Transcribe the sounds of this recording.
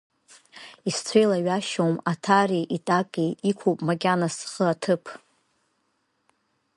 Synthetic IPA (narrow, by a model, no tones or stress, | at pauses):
ist͡sʷʰejlaɥaʃowmatʰariʔitʼakʼejikʷʰowpʼmakʲʼanasχəatʰɨpʰ